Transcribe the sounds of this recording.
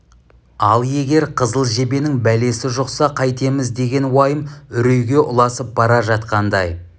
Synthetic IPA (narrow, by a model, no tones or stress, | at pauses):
ɑlˠje̞ɡʲe̞ɾqʰəzəlˠʒe̞be̞nɪŋbæle̞sɪʒoqsɑqʰɑjt̪e̞mɪzd̪e̞ɡʲe̞nwɑjəmʏɾejɡʲe̞ʔʊlˠɑsəp̚bɑɾɑʒɑt̪qɑnd̪ɑj